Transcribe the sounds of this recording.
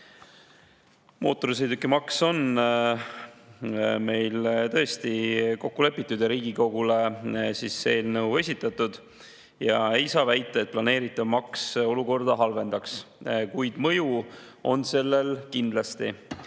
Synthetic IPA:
mʔo̞ːt̪ːˑo̞ɾisejd̪ukːˑemɑkso̞n | me̞jlt̪ɤ̞est̪iko̞kːule̞pːˑit̪ːˑud̪̥jɑɾiːɡiko̞ɡule̞siːsːeeːlnɤwe̞sʲit̪ːˑɑt̪ːˑud̪̥ | jɑe̞jsɑːvæjt̪ːˑɑet̪̚plɑne̞ːɾit̪ːˑɑmɑkso̞luko̞rd̪̥ɑɦɑlve̞nd̪̥ɑkskujd̪̥mɤ̞ju | o̞nse̞lːe̞lkind̪̥lɑst̪i

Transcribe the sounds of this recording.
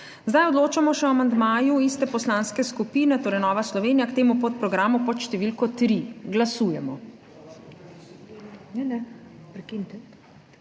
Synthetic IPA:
zd̪ajɔd̪loːt͡ʃamɔʃɛɔamand̪maːjuist̪ɛpɔslaːnskɛskupiːnɛt̪oːɾɛjnɔːʋaslɔʋeːnijakt̪eːmupɔt̪̚pɾɔɡɾamupɔt̪ʃt̪ɛʋilkɔt̪ɾiɡlasuːjɛmɔ | nɛnɛpɾɛkint̪ɛ

